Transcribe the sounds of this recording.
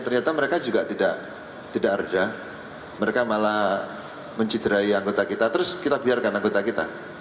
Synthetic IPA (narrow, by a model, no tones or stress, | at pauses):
jŋt̪ərɲat̪aməɾekad͡ʒuɡaʔt̪idaʔ | t̪idaʔərda | məɾekamalah | məɲt͡ʃid̪̥əɾaiaŋɡot̪akit̪at̪əɾʊskit̪abiarkanaŋɡot̪akit̪a